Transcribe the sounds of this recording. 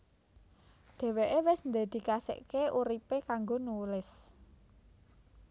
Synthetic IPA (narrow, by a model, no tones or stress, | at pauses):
ɖ̪̥e̤weʔewɪsnd̪e̤d̪̥i̤kasɪ̰ʔkeʔuɾipekaŋɡonulɪs